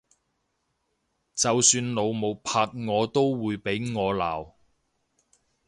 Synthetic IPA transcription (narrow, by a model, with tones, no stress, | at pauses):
t͡sɐ˨wsyː˧nlo˨˧wmo˨wpʰaː˧t̚ŋɔː˨˧t̪o˥wwuː˨˧jpe˨˥jŋɔː˨˧la̰ː˨˩w